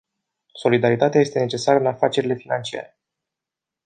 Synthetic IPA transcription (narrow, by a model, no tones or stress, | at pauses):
so̞lid̪aɾit̪at̪eajest̪e̞ne̞t͡ʃe̞saɾəɨnafat͡ʃe̞ɾile̞finant͡ʃia̰ɾe̞